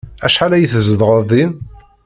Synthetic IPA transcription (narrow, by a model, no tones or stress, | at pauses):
æʃħalæjəθəzəðʁəðin